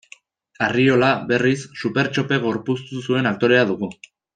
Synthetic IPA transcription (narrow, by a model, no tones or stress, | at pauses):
ario̞laβe̞risːupe̞ɾt͡ʃo̞pe̞ɣ̞o̞ɾpust̪usue̞nakt̪o̞ɾe̞aðuɣ̞u